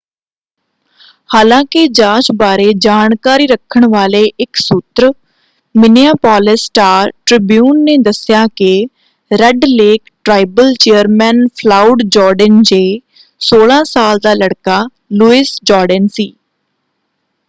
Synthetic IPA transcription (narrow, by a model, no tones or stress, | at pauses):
haːlãːkɪd͡ʒaːt͡ʃbaːɾeːd͡ʒaːnkaːɾiːɾəkʰːəɳʋaːleːʔɪksʊt̪ɾə | mɪniaːpaːlɪsʈaːɾʈɾɪbjuːnːeːd̪əsɪjaːkɪ | ɾɛɖleːkʈɾaːibəlt͡ʃejəɾmɛːnpʰlaːʊɖd͡ʒɔːɾɖənd͡ʒeː | soːlãːsaːld̪aːləɽkaː | luːɪsd͡ʒɔːɾɖənsiː